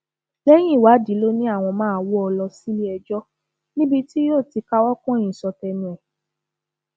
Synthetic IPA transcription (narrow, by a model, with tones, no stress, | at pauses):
lɛ˦j̃ĩ˦˨wa˨˦di˨˦lo˦nĩ˦a˦˨w̃ɔ̃˧mãː˦˧˦wɔ˦ɔ˧lɔ˧si˦li˦ɛ˧d͡ʒɔ˦ | nĩ˦bi˧ti˦jo˦˨ti˧ka˦wɔ˦kɔ̃˦˨j̃ĩ˨sɔ˧tɛ˧nĩ˨ɛ˨